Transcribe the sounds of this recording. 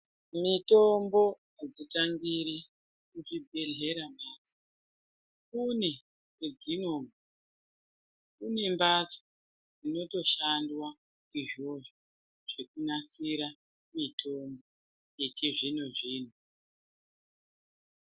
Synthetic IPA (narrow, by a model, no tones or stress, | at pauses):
mito̞mbo̞ | ed͡zitaŋɡiɾi | kuʐibʱe̞ɮe̞ɾamaːsḁ | kune | eɡʱino̞ːmu | kune̞mbat͡so̥ | ino̞to̞ʃandwa | kiʒo̞ʐo | ʐ̥e̞kunasiɾa | mitʰo̞mbo | jet͡ʃeʐinuʐiːnu